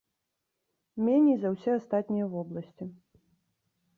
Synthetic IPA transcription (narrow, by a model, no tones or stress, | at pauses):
mʲɛnʲɛjzɐwsʲɛast̪at̪ʲnʲijɐvɔblˠɐsʲt͡sʲi